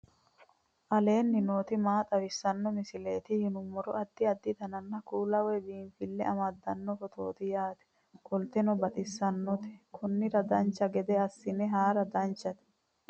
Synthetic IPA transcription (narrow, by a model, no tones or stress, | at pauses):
ʔɐle̞ːnːɪno̞ːt̪ɪmaːt̪ʼɐwɪsːɐnːɔmɪsɪleːt̪ɪhɪnʊmɔɾɔʔɐd̪ːɪɐd̪ːɪt̪ɐnɐnːɐkuːlɐwɛbiːnfɪlːɛʔɐmɐd̪ːɐnːɔfɔt̪ʰo̞̰ːt̪ɪjaːt̪ɛ̥ | kʼɔlt̪ɛnɔbɐt̪ʼɪsːɐnːɔt̪ɛ̥kʰɔnːɪɾɐd̪ɐnt͡ʃːɐɡɛd̪ɛɐsːɪnɛɦaːɾɐd̪ɐnt͡ʃːɐt̪ɛ̥